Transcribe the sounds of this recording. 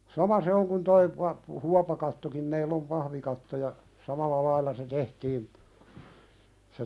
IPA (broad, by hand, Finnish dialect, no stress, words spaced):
sɑmɑ se oŋ kun toi pɑ huɑpɑkɑtːokim meilː om pɑhʋikɑtːo jɑ sɑmɑlˑɑ lɑilːɑ se tehtiːn se